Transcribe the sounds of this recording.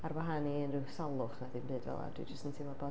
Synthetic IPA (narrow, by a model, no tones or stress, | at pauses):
aɾwaɦaniənrɪwsalˠʊχnadɨnbɨːdvɛ̰lˠa̰d̥wḭd͡ʒəstntʰimɔbɔ